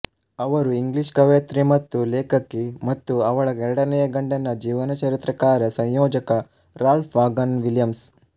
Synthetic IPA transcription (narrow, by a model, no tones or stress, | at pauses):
ɐʋɐɾuiŋɡliʃkɐʋjɐt̪ɾimɐt̪ːuleːkɐkːemɐt̪ːuɐʋɐɭɐɛɾɐɽɐnɛjɐɡɐɳɖɐnɐd͡ʒiːʋɐnɐt͡ʃɐɾit̪ɾɐkaːɾɐsɐ̃ɲjɔːd͡ʒɐkɐ | ɾaːlfʰʋaːɡɐnʋiljɐms